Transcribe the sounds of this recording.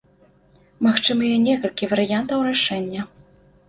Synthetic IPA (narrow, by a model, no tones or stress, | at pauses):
maxt͡ʂɨmɨjɛnʲɛkɐlʲkʲivɐɾɨjant̪ɐwɾaʂɛnʲːɐ